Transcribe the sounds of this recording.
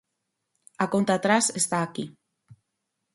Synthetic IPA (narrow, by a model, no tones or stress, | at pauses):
akont̪at̪ɾasest̪aːki